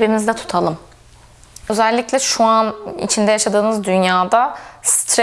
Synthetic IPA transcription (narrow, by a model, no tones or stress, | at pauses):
biɾinizd̪ɛt̪ʰu̥t̪ʰalˠɯm | ø̞zælʲːiclʲɛʃuanḭt͡ʃʰind̪ɛjaʃad̪ɯːnɯzd̪ynjaːd̪ast̪ʰɾ